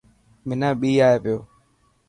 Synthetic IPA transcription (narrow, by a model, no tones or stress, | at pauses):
mɪnaɓijaepɪo